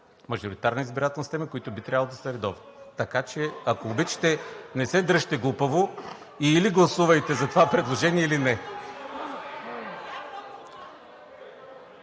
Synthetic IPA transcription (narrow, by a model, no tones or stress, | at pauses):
mɐʒʊɾit̪aɾnizbiɾat̪ɛlˠnost̪ɛməkoit̪ʊbit̪ɾʲavəlˠod̪ɐsɐɾɛd̪ɔvnt̪ɐkat͡ʃɛɐkobit͡ʃi̥t̪ɛnɛsɛd̪ɾəʃt̪ɛɡlˠupəvo | iːliɡlˠɐsuvɐjt̪ɛzɐt̪ovapɾɛd̪lˠoʒɛniɛilinɛ